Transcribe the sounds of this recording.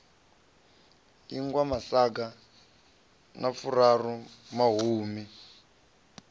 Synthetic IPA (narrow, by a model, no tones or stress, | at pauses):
iŋɡwamasak̬a | nafurarumaɦuːmi